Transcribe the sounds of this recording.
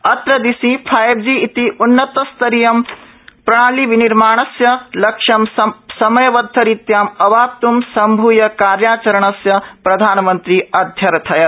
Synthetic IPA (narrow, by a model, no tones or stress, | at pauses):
ɐt̪ɾɐd̪isĩpʰaːjbd͡ʒiːt̪iʔunːɐt̪ɐst̪ɐɾijɐm | pɾɐɽ̃aːliʋiniɾmaːɳ̃ɐsjɐlɐkʂɐmsɐmɐjɐʋɐd̪ʱːɐɾit̪jaːmɐʋaːp̚t̪umsɐmbʱuːjɐkaːɾjaːt͡ʃɐɾɐɳ̃ɐsjɐpɾɐd̪ʱaːnɐmɐnt̪ɾiɐd̪ʱjɐɾt̪ʰɐjɐ